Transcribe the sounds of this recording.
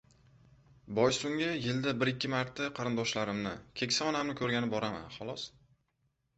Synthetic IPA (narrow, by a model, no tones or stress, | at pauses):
bɒjsʊŋɪjɪld̪abɪɾɪkʲʰːɪmaɾt̪ʰːaqʰɑɾɪnd̪ɒʃlaɾɪmnɪ̰kʲʰe̞kʲsaɒnamnɪkʰɵɾɡʲanɪp̚bɒɾama̰nχɒlˠɒs